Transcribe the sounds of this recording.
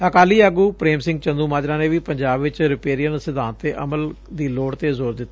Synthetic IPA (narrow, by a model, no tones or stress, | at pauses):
əkaːliːaːɡuːpɾeːmsɪ̃ŋɡ̚t͡ʃə̃nd̪uːmaːd͡ʒɾãːneːʋiːpəɲd͡ʒaːbʋɪt͡ʃɾɪpeːɾijənsɪd̪ãːnt̪eːʔəməl | d̪iːloːɽt̪eːzoːɾd̪ɪt̪ːaː